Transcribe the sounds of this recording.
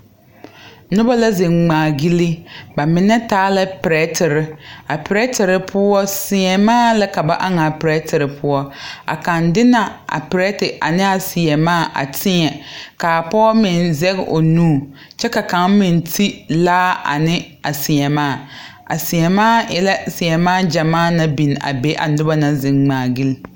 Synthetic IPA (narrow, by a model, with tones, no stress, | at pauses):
nʊ˦ba˦la˦ze˨ŋŋ͡maː˨ɡi˦li˦ba˨mɪ˨nɛ˦taː˦la˦pɪ˨ɾɛ˦tɪ˨ɾɪ˦a˨pɪ˨ɾɛ˦tɪ˨ɾɪ˨pʰʊ˦ɔ˦sɪ˨ɲɛ˨maː˦˨la˦ka˨ba˦ʔa˦ŋa˨pɾɛ˦tɪ˨ɾɪ˨pʰʊ˦ɔ˦a̰˨kã˨ndɪ˦na˨ʔa̰˨pɪ˨ɾɛ˦tɪ˨ʔa˨nɪ˦a˨sɪ˨ɛ˨maː˦˨ʔa̰˨tʰɪ˦ɲɛ˨ka˨pɔ˦mɪ˨nzɛ˦ɣ̰ʔo˨nuː˦˨ | t͡ʃɛ˦ka˨ka˨˦ŋmɪ˨n˨tʰi˦laː˦a̰˨nɪ˦ | a˨sɪ˨ɲɛ˨maː˦˨ | a̰˨sɪ˨jɛ˨maː˦jɛ˨la˦sɪ˨jɛ˨maː˦˨d͡ʒa˨maː˦˨na˦bi˨n˨a̰˨be˦ʔa̰˨nʊ˦ba˦na˦zɪ˨ŋŋ͡maː˨ɡi˦l